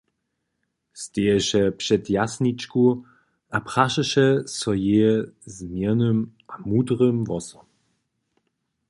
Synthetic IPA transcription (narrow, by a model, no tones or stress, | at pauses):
st̪ejɛʃɛpʂɛt̪jasnit͡ʃku | apχaʃɛʃɛsɔjeːzmjɛnømamud̪ʁəmvɔsɔm